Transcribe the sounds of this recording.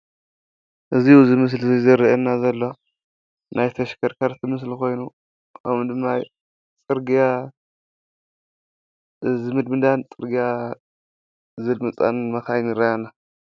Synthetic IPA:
ʔɨziuzɨmɨs̬lzizɐɾɐʔɐnːazɐlːo̞ | nʔajt̪ʰɐʃkʰɐɾkʰaɾt̪ʰɨmɨs̬lko̞jnu | ʔawud̪ɨmːaj | t͡sʼɨɾɡija | zɨmɨd̪mɨd̪ant͡sʼɨɾɡija | zɨlmɨt͡sʼa̰nmɐxajnɨɾɐjana

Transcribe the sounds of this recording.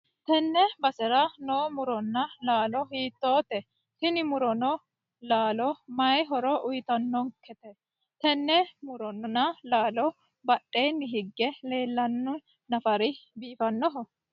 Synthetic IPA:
t̪ɛnːɛbɐsɛɾɐnoːmʊɾɔnːɐlaːlɔhiːt̪ːoːt̪ɛ | h̪ɪnɪmʊɾɔnɔ | laːlɔmɐjɦɔɾɔʔʊjt̪ɐnːɔŋkʰɛt̪ɛ | t̪ɛnːɛmʊɾɔnɔnɐlaːlɔ | bɐɗʼːeːnːɪɦɪɡːɛle̞ːlːɐnːɔ | nɐfɐɾɪbiːfɐnːɔɦɔ

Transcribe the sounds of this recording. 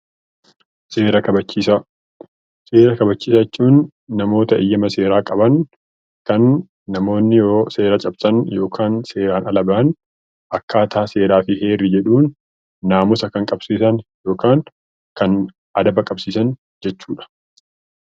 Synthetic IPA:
se̞ːɾɐkɐbɐt͡ʃːiːsɐ | se̞ːɾɐkɐbɐt͡ʃːiːsɐɛt͡ʃːuːnː | ɐmo̞ːt̪ɐʔɪjːɐmɐse̞ːɾaːkʼɐbɐn | kɐnː | ɐmo̞ːnːɪjooːse̞ːɾɐt͡ʃʼɐbsɐnjo̞ːkʰaːnse̞ːɾaːnɐlɐbɐɐn | ʔɐkːaːt̪ʰaːse̞ːɾaːfɪhe̞ːrːɪd͡ʒɛᶑuːnː | aːmʊsɐkɐŋkʼɐbsiːsɐnjo̞ːkaːŋ | kɐn | ʔɐd̪ɐbɐkʼɐbsiːsɐn | d͡ʒɛt͡ʃːuːᶑɐ̥

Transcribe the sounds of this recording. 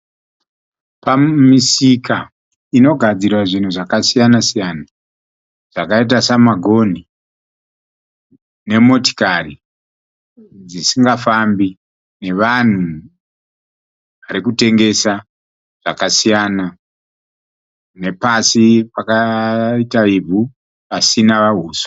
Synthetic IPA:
pamisika | ino̞ɡʱad͡zirwaʐin̤uʐakasijanasijana | ʐ̥akait̬asamaɡʱo̞ni | ne̞mo̞ti̥kari | d͡zisiŋɡafambi | ne̞ʋan̤u | ʋaɾikute̞ŋɡe̞sa | ʐ̥akasijana | ne̞pasipakaitaibʱu | pasinaʋaɦuːso̥

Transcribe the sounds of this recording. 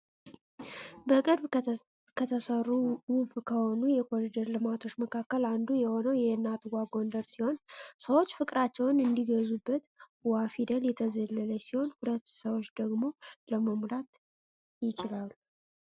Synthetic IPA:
bəkʼɨɾb | kʰət̪ʰəsərːuwuβkʰəho̞nujɛkʰoɾid̪əɾlɨmat̪ʰo̞t͡ʃːməkʰakːəland̪ujɛho̞nəwjɛhnːat̪ɡaɡo̞nd̪əɾsiho̞nsəwot͡ʃːfɨkʼɾat͡ʃːɛwnɨnd̪iɡəzubːət̪ | wafid̪əljɛt̪ʰəzəlːələsiho̞nhulət̪ːsəwo̞t͡ʃːd̪əɡmo̞ləməmɾat̪ | jɪt͡ʃɪlalu

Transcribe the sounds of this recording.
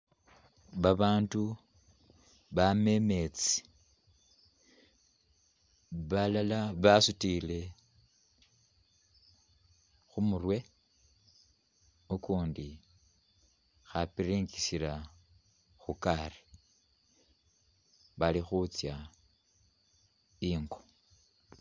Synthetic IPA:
βaβaːndu | βame̞me̞t͡si̥ | βalalaβasutile̞ | xumurwe̞ | ukuːndi | xapiɾiŋɡisila | xukari̥ | βalixut͡sja | iːŋɡo̥

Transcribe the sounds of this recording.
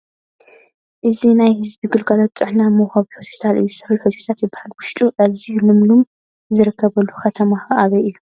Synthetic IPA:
ʔɨzinajhɨzbiɡɨlɡalot̪̚t̪ʼɨħnamɐwxɐβiħospi̥t̪ʰalʔɨ̰jːuzɨt̪ʰɨħlħot̪ʰt̪ʰat̪jɨbːahalwʊʃt̪ʼuʔazijulɨmlum | zɨɾɨkʰːɐβɐlːuxɐt̪ʰɐmaxɐʔaβɐɨjːu

